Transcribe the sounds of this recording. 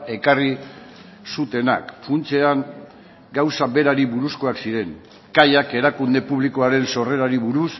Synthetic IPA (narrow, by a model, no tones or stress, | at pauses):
e̞kari | sut̪e̞na̰kfunt͡se̞aŋ | ɡawsabe̞ɾaɾiβuɾusko̞aksiɾe̞ŋ | kajake̞ɾakund̪e̞puβ̞liko̞aɾe̞nso̞re̞ɾaɾiβuɾus